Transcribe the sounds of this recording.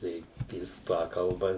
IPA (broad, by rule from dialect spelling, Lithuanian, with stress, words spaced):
ˈtɐɪ ˈjɪs ˈpɑːkɐlˠbɐ